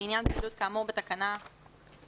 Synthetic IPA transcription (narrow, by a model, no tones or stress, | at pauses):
injanpiːlut̪̚kaːmuʁbet̪akana